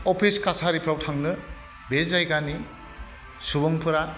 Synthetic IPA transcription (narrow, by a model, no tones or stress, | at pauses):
opʰiskasaɾipʰɾawtʰaŋnɯ | bezajɡani | subɔŋpʰɯɾa